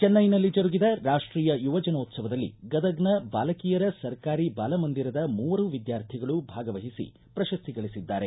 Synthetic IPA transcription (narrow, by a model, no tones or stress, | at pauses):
t͡ʃɛnːɐjnɐlːid͡ʒɐɾuɡid̪ɐɾaːʂʈɾiːjɐjuʋɐd͡ʒɐnoːt̪sɐʋɐd̪ɐlːḭɡɐd̪ɐɡnɐbaːlɐkiːjɐɾɐsɐɾkaːɾibaːlɐmɐnd̪iɾɐd̪ɐmuːʋɐɾuʋid̪jaːɾt̪ʰiɡɐɭubʱaːɡɐʋɐɦisḭ | pɾɐʃɐst̪ʰiɡɐɭisid̪ːaːɾe̞